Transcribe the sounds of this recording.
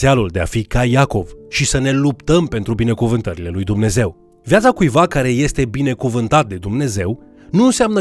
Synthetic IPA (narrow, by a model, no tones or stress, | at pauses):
ealuld̪e̞a̰fikajako̞vʃisəne̞lupt̪əmpe̞nt̪ɾubine̞kuvɨnt̪əɾile̞lujd̪umne̞ze̞w | vijat̪sakujvakaɾe̞je̞st̪e̞bine̞kuvɨnt̪at̪̚d̪e̞d̪umne̞ze̞w | nunseamnə